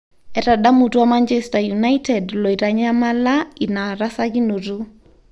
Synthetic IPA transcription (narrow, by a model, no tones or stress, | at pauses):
ɛɾaɗamutuamant͡ʃɛstajunajtɛdlɔiɾaɲamalainaɾasakinuɾu